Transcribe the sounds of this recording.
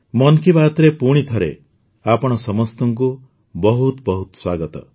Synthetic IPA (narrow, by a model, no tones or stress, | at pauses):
mɔnkibat̪ɾepuɽ̃it̪ʰɔɾḛ | apɔɽ̃ɔsɔmɔst̪ɔŋku | bɔɦut̪bɔɦut̪swaɡɔt̪ɔ